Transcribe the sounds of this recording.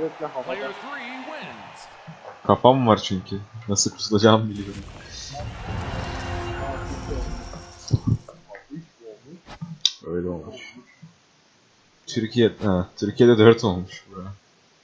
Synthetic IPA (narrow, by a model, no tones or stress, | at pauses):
ɛ | kʰapʰamvaɾt͡ʃʰyɲcʰynasɯlˠkʰu̥t̪ʰulˠad͡ʒaːmbilʲijo̞ɾum | olˠmuøjlʲɛolˠmuʃ | t̪ʰyɾcʰijɛhɛt̪ʰyɾcʰijed̪ɛd̪øɾt̪ʰo̞lˠmuʃbuɾa